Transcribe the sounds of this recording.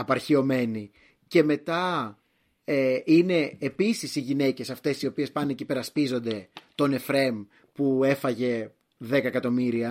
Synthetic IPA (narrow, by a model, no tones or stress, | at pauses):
ɐpɐɾçio̞me̞ni | ce̞me̞t̪ɐ | eine̞ːpisisiʝine̞ce̞sɐft̪e̞sio̞pie̞spɐnecipe̞ɾɐspizo̞nd̪e̞t̪o̞ne̞fɾe̞m | pue̞fɐʝe̞ | ðe̞kɐekɐt̪o̞miɾiɐ